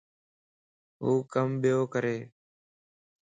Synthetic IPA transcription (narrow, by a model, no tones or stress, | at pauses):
ɦuːkəmɓɪjoːkəɾeː